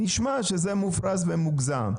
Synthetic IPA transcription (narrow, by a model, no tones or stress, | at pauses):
niʃmaʃezemufɾas̬vemuɡza̰m